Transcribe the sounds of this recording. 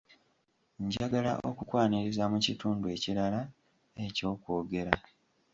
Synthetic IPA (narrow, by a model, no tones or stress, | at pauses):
ɲɟaɡala̰ʔo̞̰kukwaːniɾizamucituːndue̞ːciɾala | e̞co̞ːko̞ːɡe̞ɾa